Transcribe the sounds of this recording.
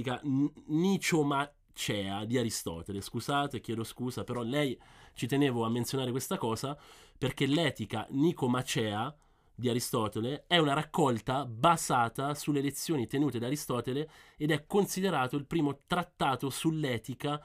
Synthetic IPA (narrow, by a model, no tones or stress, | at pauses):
kanit͡ʃoma | t͡ʃɛːad̪iaɾist̪ɔ̰ːt̪eleskuzaːt̪ekjɛːd̪oskuːzapeɾɔlɛjt͡ʃit̪eneːvoamːensjonaːɾekwest̪akɔːzaperk̟elɛːt̪ika̰nikomat͡ʃɛːa | d̪iaɾist̪ɔːt̪eleɛunaɾakːɔlt̪abazaːt̪asulːelet̪sːjoːnit̪enuːt̪ed̪aɾist̪ɔːt̪eleed̪ɛkːonsid̪eɾaːt̪oilpɾiːmot̪ɾat̪ːaːt̪osulːɛːt̪ika